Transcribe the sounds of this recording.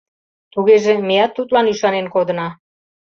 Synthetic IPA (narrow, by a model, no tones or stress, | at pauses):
t̪uɣeʒemejɑt̪ːut̪lɑnyʃɑnenkod̪ə̆nɑ